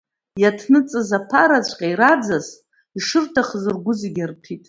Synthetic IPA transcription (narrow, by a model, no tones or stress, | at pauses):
jatʰnɨt͡sʼɨzapʰaɾat͡ʃʷʼqʲʼaiɾad͡zaz | iʂɨrtʰaχzɨrɡʷʊzeɡʲartʰitʼ